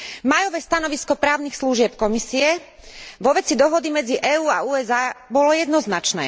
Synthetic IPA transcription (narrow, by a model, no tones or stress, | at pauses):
majɔʋɛːst̪anɔʋiskɔpɾaːʊnixsluʒɪɛpkɔmisiɛ | ʋɔʋɛt͡sid̪ɔɦɔd̪imɛd͡ziʔɛːuːauːɛzaːbɔlɔjɛd̪nɔznat͡ʃnɛ̰ː